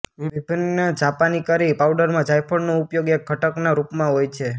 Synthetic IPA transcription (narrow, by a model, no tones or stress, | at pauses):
ʋibʱinːəd͡ʒapanikəɾipawɖəɾmãd͡ʒajpʰəɽnoupjoɡek̚ɡʱəʈəknaɾupmãɦojt͡ʃʰe